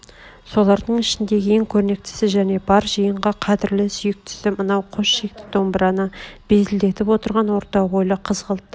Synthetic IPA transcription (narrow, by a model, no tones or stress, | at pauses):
so̞lˠɑɾd̪əɴɪʃɪnd̪e̞ɡʲeŋkʲʰɵɾne̞k̚t̪ɪ̥sɪʒæne̞bɑɾʒəjəɴʁɑqʰɑd̪ɪɾlɪsʏjɪk̚t̪ʰʏ̥sɪmənɑwqʰoʃʃe̞k̚t̪ɪ̥k̚d̪o̞mbəɾɑnəb̥e̞zɪld̪e̞t̪ɪpwo̞t̪əɾʁɑnwo̞ɾt̪ɑʁo̞jlˠəqʰəzʁəlˠt̪ːə